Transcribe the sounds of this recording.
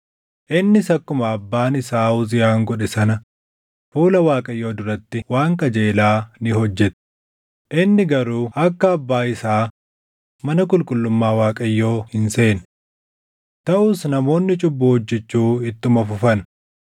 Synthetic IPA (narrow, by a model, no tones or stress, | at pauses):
ʔɪnːɪsɐkːʊmɐːbːaːnɪsaːʊzɪjaːŋɡɔᶑɛsɐnɐ | fuːlɐwaːkʼɐjːo̞ːd̪ʊɾɐt̪ːɪwaːŋkɐd͡ʒe̞ːlaːnɪhɔd͡ʒːɛt̪ | ʔɪnːɪɡɐɾuːɐkːɐːbːaːɪsaː | mɐnɐkʼʊlkʼʊlːʊmːaːwaːkʼɐjːo̞ːhɪnse̞ːn | t̪ɐʔʊsnɐmo̞ːnːɪt͡ʃʼʊbːʊhɔd͡ʒːɛt͡ʃːuːɪt̪ːʊmɐfʊfɐn